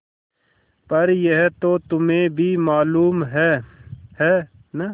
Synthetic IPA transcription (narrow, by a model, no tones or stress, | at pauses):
pɐɾjɐɦt̪oːt̪ʊmẽbʱimaːluːmɦɛːhɛː | nɐ